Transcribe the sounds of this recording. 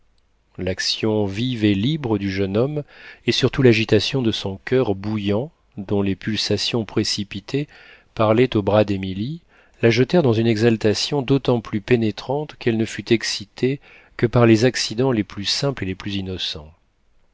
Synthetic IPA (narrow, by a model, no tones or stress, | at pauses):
laksjɔ̃vivelibʁəd̪yʒənɔmesyʁt̪ulaʒit̪asjɔ̃d̪əsɔ̃kʲʰœʁbujɑ̃ | d̪ɔ̃lepylsasjɔ̃pχesipit̪ʰe | paʁlɛt̪obʁad̪emili | laʒət̪ɛʁd̪ɑ̃zynɛɡzalt̪asjɔ̃d̪ot̪ɑ̃plypenet̪χɑ̃t̪kɛlnəfyt̪ɛksit̪ʰe | kəpaʁlezaksid̪ɑ̃leplysɛ̃pleleplyzinɔsɑ̃